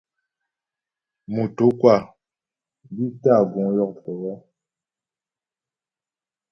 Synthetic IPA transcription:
mu˨to˨˦kwa˦˨ | bi˦ta˦˨ɡɔ̃˨˦jɔ˦˨ktɛ˨wɛ˦

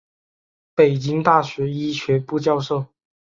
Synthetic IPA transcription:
pe˨˩ɪt͡ɕi˥ŋt̪a˥˩ɕɥɛ˧˥i˥ɕɥɛ˧˥pu˥˧t͡ɕjɑ˥˧ʊʂo˥˩ʊ

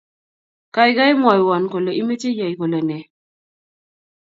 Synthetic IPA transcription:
ka˨jɡa˦jmɔ˨jwɔ˨nko˨lo˨ʔi˦me˦te˦ja˨jko˨lo˨nɛ˨

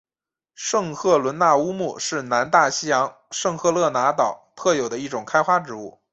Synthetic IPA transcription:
ʂɤ˥˧ŋxʰɤ˥˩lwə˧˥nna˥˩u˥mu˥˩ʂɻ̩˥˩na˧˥nt̪a˥˩ɕi˥jɑ˧˥ŋ | ʂɤ˥˧ŋxʰɤ˥˧lɤ˥˩na˧˥t̪ɑ˨˩ʊt̪ʰɤ˥˩jo˨˩ʊd̪ə˦i˥˩ʈ͡ʂʊ˨˩ŋkʰa˥ɪxwa˥ʈ͡ʂɻ̩˧˥u˥˩

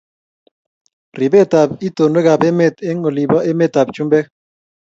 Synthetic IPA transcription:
ri˨be˦˨t̪a˨b̚i˦t̪o˨nwe˦ɡa˨be˦me˦t̪e˦ŋo˨li˨bɔ˦ʔe˦me˦t̪a˨bt͡ʃu˦mbɛ˦

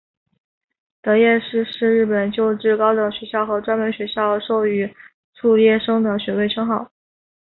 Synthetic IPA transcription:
t̪ɤ˧˥jɛ˥˧ʂɻ̩˥˧ʂɻ̩˥˧ɻɻ̩˥˩pə˨˩nt͡ɕjo˥˧ʊʈ͡ʂɻ̩˥˩kɑ˥ʊd̪ə˨˩ɕɥɛ˧˥ɕjɑ˥˩ʊxɤ˧˥ʈ͡ʂwa˥nmə˧˥nɕɥɛ˧˥ɕjɑ˥˩ʊʂo˥˩ʊy˧˥ | ʈ͡ʂʰu˥˧ljɛ˥˩ʂɤ˥ŋd̪ə˨˩ɕɥɛ˧˥we˥˩ɪʈ͡ʂʰɤ˥ŋxɑ˥˩ʊ

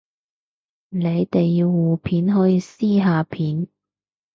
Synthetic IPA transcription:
ne˨˧jt̪e˨jːiː˧wːuː˨pʰiː˨˥nɦɔː˨˥jiː˧siː˥ɦaː˨˧pʰiː˨˥n

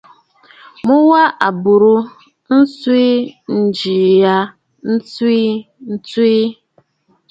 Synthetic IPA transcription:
mʊ˦wa˦ʔa˨bu˨ɾu˦ | n̩˦su˦i˦n̩˨d͡ʒi˨ja˦ | n̩˦tu˦i˦ | n̩˦tu˦i˦

